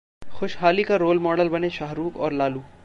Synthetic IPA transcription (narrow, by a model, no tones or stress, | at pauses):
xʊʃɦaːlikaɾoːlmɔːɖəlbɐneʃaɦɾuːkɔːɾlaːluː